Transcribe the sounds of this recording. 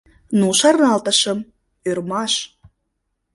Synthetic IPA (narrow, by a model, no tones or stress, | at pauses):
nuʃɑrnɑlt̪əʃəm | ørmɑʃ